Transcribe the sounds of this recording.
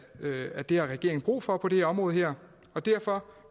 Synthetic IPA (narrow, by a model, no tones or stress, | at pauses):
æd̥e̝hɑ̈ʁɛɡ̥e̝ɐŋ̩b̥ʁṵːfɒ̽pʰɒ̽d̥ehɛɐɒ̽mʁɔ̽ːð̞̩ˠɦæɐ̰ | ɒ̽d̥æɐ̰fɒ̽